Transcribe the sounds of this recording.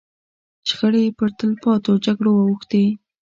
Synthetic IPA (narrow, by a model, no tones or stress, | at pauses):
ʃxəɽepəɾt̪əlpɑt̪od͡ʒaɡɽowawuxt̪e